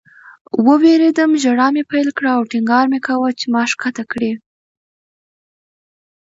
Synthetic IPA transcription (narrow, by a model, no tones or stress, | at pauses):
wəweɾed̪əmʒaɽɑmepajlkɽaːwʈɪŋɡɑɾmekawat͡ʃemɑʂkat̪akɽi